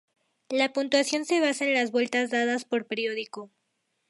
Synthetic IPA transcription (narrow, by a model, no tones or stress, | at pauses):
lapunt̪wasjo̞nse̞β̞asaenlazβwe̞lt̪azd̪aðaspo̞ɾpeɾjo̞ðiko̞